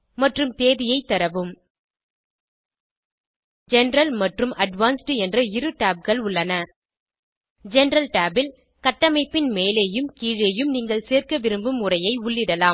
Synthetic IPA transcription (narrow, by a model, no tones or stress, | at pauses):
mɐʈrɯmt̪eːðɪjɐɪt̪ːɐɾɐʋɯm | d͡ʒɛnɾɐlmɐʈrɯmʔɐɖʋaːnsʈɯɛndrɐɪɾɯʈaːb̚ɣɐɭʊɭːɐnɐ | d͡ʒɛnɾɐlʈaːbɪl | kɐʈːɐmɐɪpːɪnmeːleːjɯmkiːɻeːjɯmniːŋɡɐɭseːrkɐʋɪɾɯmbɯmʊrɐjɐɪʊɭːɪɽɐlaːm